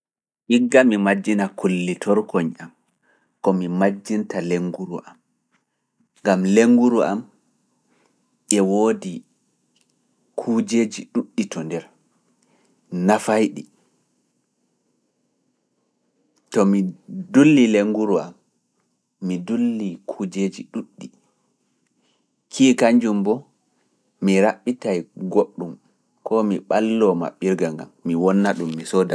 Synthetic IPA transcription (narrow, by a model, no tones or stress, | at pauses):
ʔiɡːamimad͡ʒːinakulːitʰɔɾkɔɲam | kɔmimad͡ʒːintaleŋɡuɾṵʔam | ɡamleŋɡuɾuʔa̰m | ʔɛwoːdi | kʰuːd͡ʒeːd͡ʒiɗuɗːitɔndɛɾ | nafajɗi | tɔmidulːileŋɡuɾua̰m | midulːikʰuːd͡ʒed͡ʒiɗuɗːi | kʰiːkaɲd͡ʒumbɔ | miɾaɓːitajɡoɗːum | kɔmiɓalːɔma̰ɓiɾɡaŋɡa̰mːiwɔnːaɗumːisɔda